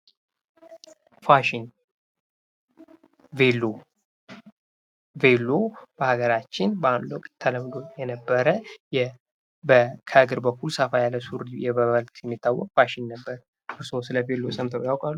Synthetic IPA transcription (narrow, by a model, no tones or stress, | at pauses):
faʃɪn | velo | velːob̥əhaɡəɾat͡ʃːɪnbəamləwkʼt̪ʰːələmd̪o̞jɛnəbːəɾəjɛ | bəkʰəɡɨɾbəkʰːulsəfajalːəsuɾjɛβəβəlt̪ʼjɛmːit̪ʰːawːɔkʼfaʃɪnːəbːəɾ | ɨɾsosɨləvelːosəmt̪ʰbjawkʼalːu